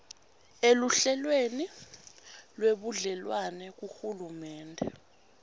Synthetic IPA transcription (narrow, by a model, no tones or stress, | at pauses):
eluɬɛlweni | lweɓuɮɛlwanɛk̬uxulumɛːndʱɛ